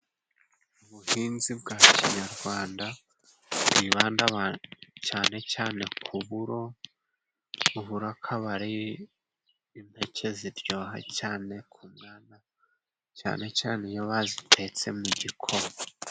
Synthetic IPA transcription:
uβuhiːnzibɡaːciɲaɾɡwaːnda | wiβaːnda | caːne̞caːne̞kʰuβuɾo̞ | uβuɾakʰaβaɾi | m̥he̞cʰe̞ziɾɟoːɦa̰caːne̞kʰumŋaːna | ca̰ːne̞caːnejoβazitʰe̞t͡se̞muɟikʰo̞mo

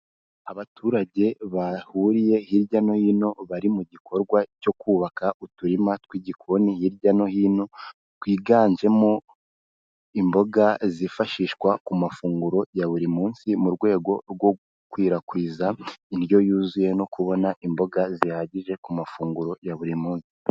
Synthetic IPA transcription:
aβatuɾaɟe̞βahuɾije̞hiɾɟano̞hino̞βaɾimuɟikʰo̞ɾɡwaco̞kuːβakaʔutuɾimatwiɟikʰonihiɾɟano̞hino̞ | tkwiːɡaːɲd͡ʒe̞mo | imbo̞ɡazifaʃiːʃkwakumafuːŋɡuɾo̞jaβuɾimuːnsimuɾɡwe̞ːɡo̞ɾɡwo̞ | kwiːɾakwiːzaindjo̞juːzuje̞no̞kuβo̞naʔimbo̞ɡazihaːɟiʒe̞kumafuːŋɡuɾo̞jaβuɾimuːnsi̥

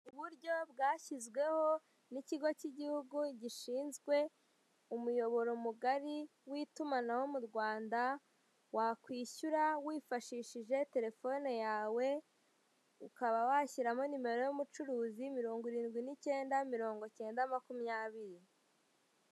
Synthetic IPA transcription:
uβuɾɟo̞bɡaːçizɡwe̞ho̞ | niciɡo̞ciɟihuɡuɟiʃiːnzɡwe̞ | umujo̞βo̞ɾo̞muɡaɾi | wiːtumanawomuɾɡwaːnda | wakwiːçuɾawiːfaʃiːʃiʒe̞te̞ɾe̞fo̞ne̞jaːwe̞ | ukaβawaçiɾamonime̞ɾo̞jumut͡ʃuɾuːzimiɾo̞ːŋɡoɾiːnɡwinice̞ːndamiɾo̞ːŋɡo̞ce̞ːndamakumjaːβiɾi

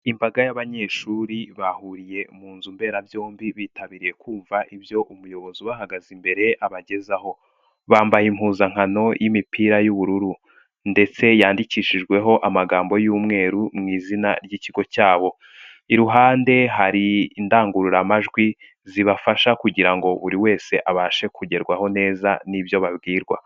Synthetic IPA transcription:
imbaɡajaβaɲe̞ʃuːɾiβahuɾije̞muːnzumbe̞ːɾavjo̞ːmbiβiːtʰaβiːɾije̞kuːɱvaʔibjo̞ʔumujo̞βo̞ziβahaɡazimbe̞ɾe̞aβaɟe̞zaho̞ | βaːmbajim̥huːzaŋ̥hano̞jʔimipʰiːɾajuβuɾuɾu | nde̞t͡se̞jaːndiciːʃiʒɡwe̞ɦo̞ʔamaɡaːmbo̞juːmŋe̞ːɾumŋiːzinaɾjiːciɡo̞caːβo̞ | iɾuɦaːnde̞ɦaɾiːndaːŋɡuɾuɾamaʒɡwi | ziβafaʃakuɟiɾaŋɡo̞βuɾiwe̞ːse̞ʔaβaʃe̞kʰuɟe̞ɾɡwaho̞ne̞ːzanibjo̞βabɡiːɾɡwa

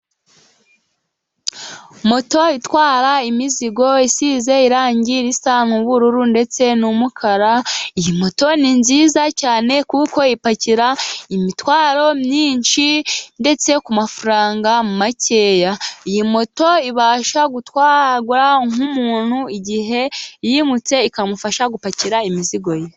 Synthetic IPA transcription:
mo̞to̞itwaːɾaimiziɡo̞isiːze̞iɾaːɲɟiɾisaŋuβuɾuɾunde̞t͡se̞numukʰaɾaijimo̞to̞ninziːzacaːne̞kuko̞ipaciɾaimitwaːɾo̞mɲiːnʃinde̞t͡se̞kumafuɾaːŋɡamumacʰe̞ːjaijimo̞to̞iβaːʃaɡutwaːɡwaŋumuːn̥huiɟiɦe̞jimut͡se̞ikamufaʃaɡupaciɾaimiziɡo̞je

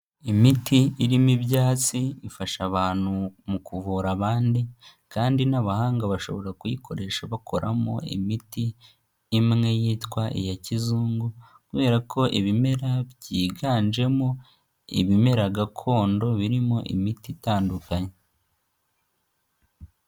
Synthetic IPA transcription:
imitiiɾimiβjaːt͡siifaʃaβaːn̥humukuvuːɾaβaːndikaːndinaβahaːŋɡaβaʃo̞̰βo̞ɾakujikʰo̞ɾe̞ːʃaβakʰo̞ɾʔa̰moḭmitiː | mŋe̞jiːtkwaʔḭjacizuːŋɡu | kuβe̞ːɾakʰo̞ʔiβime̞ɾabjiːɡaːnd͡ʒe̞mo | ḭβime̞ɾaɡakʰo̞ːndo̞βiɾimo̞ʔḭmititaːndukaɲe

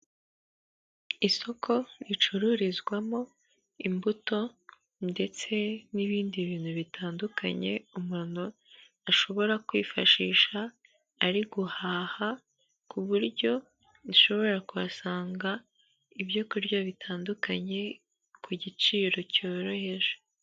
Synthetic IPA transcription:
iso̞kʰo̞ɾit͡ʃuɾuɾizɡwamo̞ | imbuto̞ | nde̞t͡se̞niβiːndiβiːn̥huβitʰaːndukʰa̰ɲe̞umuːn̥hu | aʃo̞βo̞ɾakwiːfa̰ʃiːʃaː | ɾiɡuhaːha | kʰuβuɾɟo̞ | niʃo̞βo̞ɾakuβasaːŋɡa | iβjokuɾɟoβitʰaːndukaɲe̞ | kʰuɟit͡ʃiːɾo̞co̞ɾo̞he̞ʒe̥

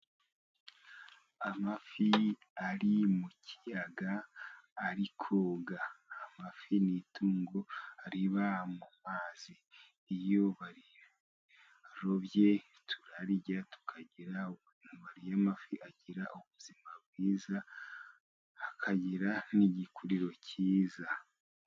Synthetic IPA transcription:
amafi | aɾimucʰi̥jaɡaː | ɾikʰoːɡaːmafinitʰuːŋɡoaɾiβamumaːz̥iː | jo̞βaɾi | aɾo̞βje̞ | tʰuɾaɾiɟatu̥kʰaɟiɾa | nuβaɾijamafiʔaɟiɾaʔoβuz̥imaβwiːza | kʰaɟiɾaniɟikʰuɾiɾo̞cʰiːza

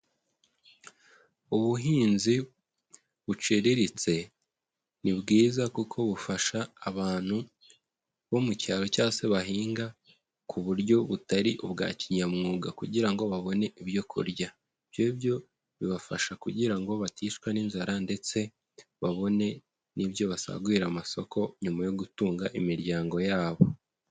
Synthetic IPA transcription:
uβuɦiːnzi | βut͡ʃiɾiɾit͡se̞ | niβɡiːzakukʰo̞βufaʃaːβaːn̥hu | βo̞mucaːɾo̞caːse̞βaɦiːŋɡa | kʰuβuɾjo̞βutaɾiʔoβɡa̰ːciɲamŋuːɡakuɟiɾaŋɡo̞βaβo̞ne̞iβjo̞kʰṵɾɟa | bjo̞ːbjo̞ | βiβafaʃakuɟiɾaŋɡo̞βatiːʃkwaniːnzaɾande̞t͡se̞ | βaβo̞ne̞ | niβjo̞βasa̰ɡwiːɾamaso̞kʰo̞ɲumajo̞ɡutuːŋɡaʔimiɾɟaːŋɡo̞jaːβo̞

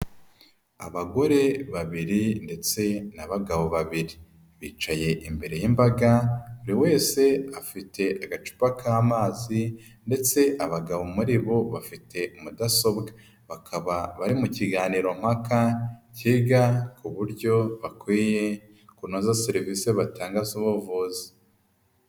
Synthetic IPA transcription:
aβaɡo̞ɾe̞βaβiɾinde̞t͡se̞naβaɡaβoβaβiɾi | βiːt͡ʃaje̞ʔimbe̞ɾe̞jimbaɡauɾiwe̞ːse̞afitʰe̞ʔaɡat͡ʃu̥pakʰaːmaːzi | nde̞t͡se̞ʔaβaɡaβomuɾiβo̞βafitʰe̞ʔumudaso̞bɡa | βakʰaβaβaɾimuciɡaːniːɾo̞m̥hakaciːɡakuβuɾɟo̞βakwiːje̞ | kunazaseɾivise̞βatʰaːŋɡazuβovuzi̥

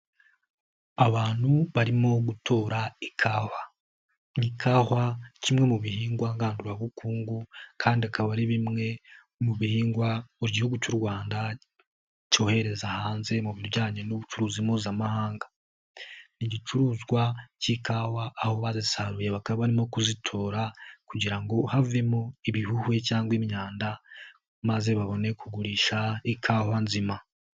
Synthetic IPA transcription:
aβaːn̥huβaɾimo̞ɡutʰo̞ːɾaikʰaːhwa | nikʰaːhwacimŋe̞muβihiːŋɡwaŋɡaːnduɾaβukuːŋɡukʰaːndiakaβaɾiβimŋe̞ | muβihiːŋɡwauɾiɟihuɡucuɾɡwaːnda | co̞ːhe̞ɾe̞zahaːnze̞muβivjaːɲenuβut͡ʃuɾuːzimuːzamahaːŋɡa | niɟit͡ʃuɾuzɡwacikahwaːho̞βazizisaɾujeβakaββaɾimokuzitʰo̞ːɾakuɟiɾaŋɡo̞havimoiβihuhwe̞caːŋɡwimɲaːnda | maze̞βaβo̞ne̞kʰuɡuɾiʃaikʰaːhanzima

